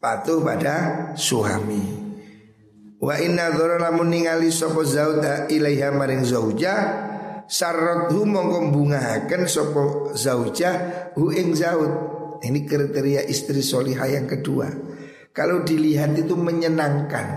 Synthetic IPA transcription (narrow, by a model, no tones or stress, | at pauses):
pat̪ʊhpadasuɦa̰mi | waʔinːaðɔɾɔlamʊnːiŋalisɔpɔzaʊd̪aʔilaiɦamaɾɪŋzaud͡ʒah | sarːɔt̪̚ɦumɔŋkɔmbuŋaɦakənsɔpɔzawd͡ʒahɦuʔɪŋzaʊt̪̚inikəɾit̪eɾiaʔist̪ɾisɔliɦajaŋkədṵa̰ | kalowdiliɦat̪it̪uməɲənaŋka̰n